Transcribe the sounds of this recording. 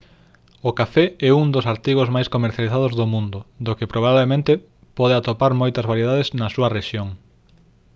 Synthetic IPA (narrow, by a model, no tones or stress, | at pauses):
okafɛɛuŋd̪osaɾt̪iɣ̞ozmajskomeɾθjaliθað̞ozðomũnd̪ʊd̪okepɾoβ̞aβlemẽnt̪e | pɔð̞eat̪opaɾmojt̪ɐzβaɾjeð̞aðeznɐsuɐreʃjoŋ